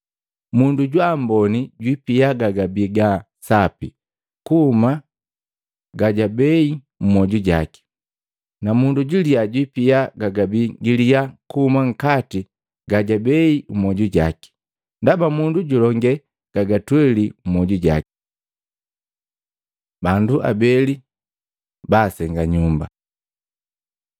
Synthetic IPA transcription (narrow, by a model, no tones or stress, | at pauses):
munduɟwambɔniɟwipiaɡaɡabiɡa | sapḭ | kuuma | ɡaɟabɛi | m̩mɔɟuɟa̰ki̥ | namunduɟilijaɟwipiaɡaɡabiɡilijakuhumaŋ̩kati | ɡaɟabɛiumɔɟuɟaki̥ | ndabamunduɟulɔŋɡɛ | ɡ̥aɡatwɛlim̩mɔɟuɟa̰ki̥ | banduʔa̰bɛli | baːsɛŋɡaɲumba̰